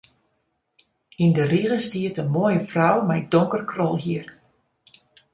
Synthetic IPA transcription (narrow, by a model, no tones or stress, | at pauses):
indəriɣəstiətənmoəjəfrɔwmaɪk̚doŋkərkʰrɔlˠɦiər